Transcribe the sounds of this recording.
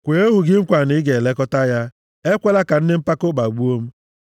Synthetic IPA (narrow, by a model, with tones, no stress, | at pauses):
kʷe˨e˦ɦu˨ɡɪ˦ŋ͡m̩˦kʷa˨nɪ˨˦ɡe˨le˦kɔ˦ta˦ja˦ | e˦kʷe˦la˦ka˨n̩˦dɪ˦m̩˦pa˦ko˦ba˨ɡ͡bu˦o˦m̩˦